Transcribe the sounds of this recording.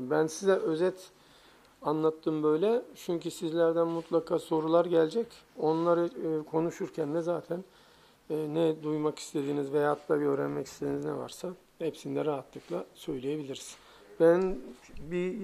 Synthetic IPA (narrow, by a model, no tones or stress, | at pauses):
bænsizɛʔø̞zɛt̪ | anlˠat̪ʰːɯmbø̞jlʲɛt͡ʃʰyɲcysizlʲæɾd̪ænmut̪ʰlˠakʰaːso̞ɾulˠaɾɟælʲd͡ʒɛco̞nlˠaɾɯkʰo̞nuʃuɾcʰænd̪ɛzaːt̪ʰænː | nɛd̪ujmaki̥st̪ʰe̞d̪iːnizvejaːt̪lˠaɟø̞ːɾænmɛcʰi̥st̪ed̪iniznɛva̰ɾsa | hɛpsind̪ɛɾaɦat̪lˠɯklˠasø̞jlʲeje̞bilʲiɾiz̥ | b̥ænbi